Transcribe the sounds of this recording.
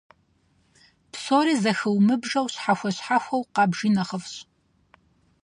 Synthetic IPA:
psoːɾiːzɐxɨwmɨbʐɐwɕħaxʷɔɕħaxʷɐwqɑːbʒiːnɐχəfɕʼ

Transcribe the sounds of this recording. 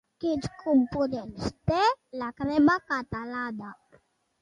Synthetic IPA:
kid͡ʒkʰumpud̪ɛlst̪ɛlakɾɛmakat̪alad̪a

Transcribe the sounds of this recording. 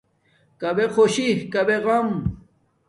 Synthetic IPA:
kɐbexoɕihkɐbeɣɐm

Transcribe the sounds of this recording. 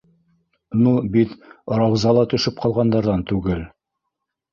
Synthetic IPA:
nubit̪ɾɑwzɑlˠɑt̪ɵ̆ʃɘp̚qʰɑlˠʁɑnd̪ɑɾðɑnt̪ʉɡɘl

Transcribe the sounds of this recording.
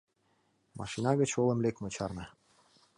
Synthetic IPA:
mɑ̰ʃinɑɣə̆t͡ɕolə̆mlekmɤ̆t͡ɕɑrnɤ̆

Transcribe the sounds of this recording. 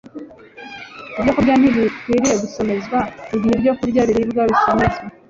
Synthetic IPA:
ibɟokubɟan̥iβiwiɾije̞ɡuso̞me̞zɡwaiβiibɟo̞kuɾɟaβiɾibɡaβiso̞me̞zɡa

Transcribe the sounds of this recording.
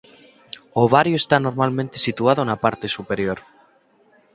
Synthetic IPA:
oβ̞aɾjoest̪ano̞ɾmalmẽnt̪e̞sit̪uaðonapaɾt̪e̞supe̞ɾjoɾ

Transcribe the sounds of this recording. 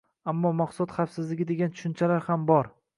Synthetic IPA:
amːɒmɑqsɒt̪χafsɪzlɪɡʲɪd̪e̞ɡʲant̪ʰʊ̥ʃʊnt͡ʃʰalaɾhambɒɾ

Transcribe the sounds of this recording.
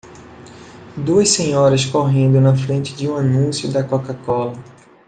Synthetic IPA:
d̪uɐssẽɲɔɾɐskoɦẽnd̪ʊnɐfɾẽnt͡ʃɪd͡ʒɪũanũsjʊd̪ɐkokakɔlɐ

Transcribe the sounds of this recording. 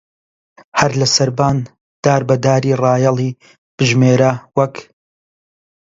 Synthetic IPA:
hɐɾlɐsɐɾbaːn | d̪̥aːɾbɐd̪aːɾiːrɑːjɐlˠiː | b̥ɨʒmeːɾɐwɐk

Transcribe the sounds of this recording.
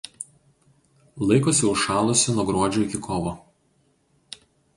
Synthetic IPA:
lˠɐɪkoːsʲʊʃɑːlˠʊsʲɪnuɔɡɾuɔd͡ʒʲuɪkʲɪkʰoːʋoː

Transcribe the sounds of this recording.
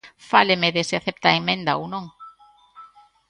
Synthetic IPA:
falemeðeseaθep̚t̪aemẽnd̪aownõŋ

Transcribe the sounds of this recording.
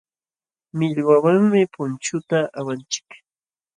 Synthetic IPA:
mɪʎwawaŋmɪpʊnt͡ʃʊt̪aʔawant͡ʃɪ̥k

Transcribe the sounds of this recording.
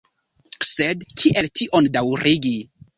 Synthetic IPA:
sedkʰiʔe̞ltiʔondawɾiɡi

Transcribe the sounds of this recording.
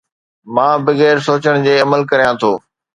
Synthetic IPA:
mãːbɐɣɛːɾsoːt͡ɕəɽ̃d͡ʑeːɐməlkɐɾijãt̪ʰoː

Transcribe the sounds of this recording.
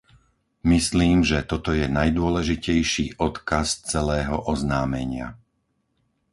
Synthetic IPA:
misliːmʒɛt̪ɔt̪ɔjɛnajd̪ʊɔlɛʒicɛjʃiːʔɔt̪kast͡sɛlɛːɦɔʔɔznaːmɛɲɪa̰

